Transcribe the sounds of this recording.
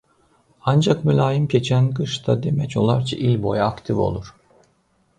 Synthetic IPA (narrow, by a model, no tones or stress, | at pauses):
and͡ʒakmylʲaːjɯmce̞t͡ʃʰænkɯʃt̪ʰad̪e̞mɛco̞lˠaɾt͡ʃʰaʔilʲbo̞jaːkt̪ʰivo̞̰lˠuɾ̥